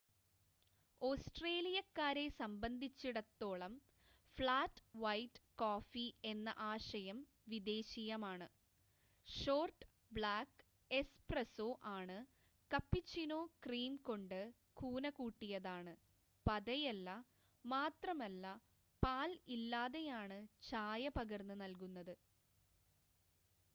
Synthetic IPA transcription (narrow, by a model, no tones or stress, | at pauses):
oːsʈre̞ːlijɐkːaːɾe̞sɐmbɐnd̪ʱit͡ɕːiɽɐt̪ːo̞ːɭɐm | fɭaːtːʋɐjʈːkoːfie̞nːɐ̰ʔaːʂɐjɐm | ʋid̪e̞ːɕijɐmaːɳɨ | ʂo̞ːrʈ | bɭaːkː | e̞sprɐsoːʔaːɳɨ | kɐpːit͡ɕːinoːkriːmko̞ɳɖɨ | kʰuːnɐkuːʈːijɐðaːɳɨ | pɐðɐjɐlːɐ | maːt̪rɐmɐlːɐ | paːlilːaːðejaːɳɨt͡ɕaːjɐpɐɣɐrnːɨnɐlkunːɐðɨ